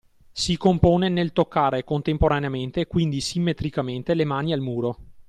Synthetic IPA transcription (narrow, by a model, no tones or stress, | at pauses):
sikompoːnenelt̪okːaːɾekont̪empoɾaneament̪ekwind̪isimːet̪ɾikament̪elemaːnialmuːɾo